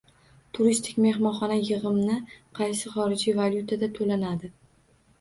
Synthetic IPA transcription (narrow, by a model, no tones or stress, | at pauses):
t̪ʰʊɾist̪ʰɪkʲme̞ɦmɒnχɒnajɨʁɨmnɪqʰɑjsɪχɒɾɪd͡ʒivalʲjut̪ʰad̪at̪ʰolanad̪ɪ